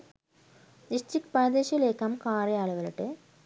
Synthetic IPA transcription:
nisʈrikːpaːd̪eːɕɐleːkːaːmkaːrɐjaːɭuɣɐɭiʈːɨ

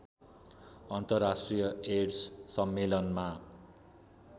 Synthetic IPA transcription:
ʌnt̪ʌrːasʈrijʌeɽssʌmːelʌnma

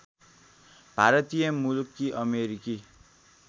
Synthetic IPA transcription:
b̥ʱaɾʌt̪ijʌmulkːiʔʌmeɾiki

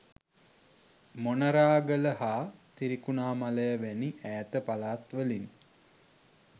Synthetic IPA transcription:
monəɾaːɡələhaːt̪iɾikunaːmaləjəʋæniʔæːt̪əpalaːt̪ʋəlin

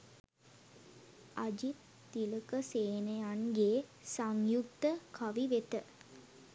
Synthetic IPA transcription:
ʔad͡ʒit̪ː | iləkəseːnəjanɡeːsaŋjukt̪əkʰaʋiʋet̪ə

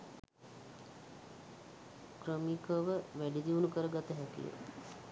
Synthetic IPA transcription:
kɾəmikəʋəʋæɖid̪iʋunukəɾəɡat̪əɦɛkḭjə̰

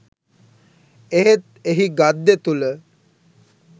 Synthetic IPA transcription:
eɦet̪̚eɦiɡad̪ːet̪ulə

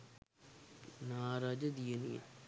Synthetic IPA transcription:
naːɾaːd͡ʒɐd̪ijɐnijɐ̰

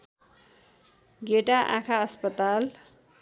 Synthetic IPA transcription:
ɡeʈaʔã̰kʰaʌspʌt̪al

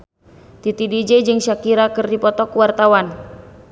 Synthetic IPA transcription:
t̪it̪idid͡ʒɛd͡ʒɨŋʃakiɾakɨrdipɔt̪ɔkuwart̪awan

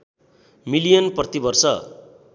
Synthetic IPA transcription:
milijʌnprʌt̪ibʌrsʌ

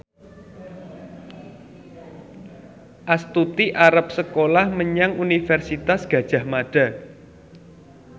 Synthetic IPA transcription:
ʔast̪ut̪iʔaɾap̚səkolahməɲaŋunifɛrsit̪asɡ̥a̤d̥ʒ̥a̤hmaɖ̥a̤

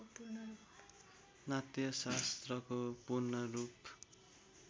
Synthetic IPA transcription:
pu | nat̪jʌsast̪rʌkopurnʌrup

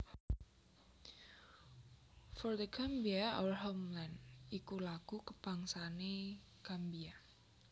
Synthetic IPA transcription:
fɔrd̪əɡambiaɔwrɦɔmlanikulaɡ̥ukəb̥aŋsane | ɡ̥ambia

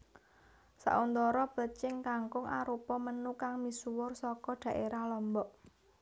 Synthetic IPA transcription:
sa̰ʔunt̪ɔɾɔb̥ət͡ʃɪŋkaŋkʊŋʔa̰ɾupɔmənukaŋmisuwʊrsɔkɔɖ̪̥ä̤ʔeɾahlɔmbɔʔ

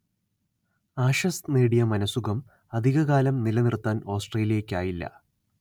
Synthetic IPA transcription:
aːʂɐsneːɽijɐmɐnɐsuɣɐm | ɐd̪ʱiɣɐɣaːlɐmnilɐnirt̪ːaːno̞ːsʈreːlijɐkʲːaːjilːɐ̰

